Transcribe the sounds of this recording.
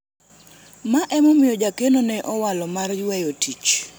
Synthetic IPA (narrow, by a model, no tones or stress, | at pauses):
maʔɛmɔmɪjɔd͡ʒakenonɛʔɔwalɔmarjwɛjotit͡ʃ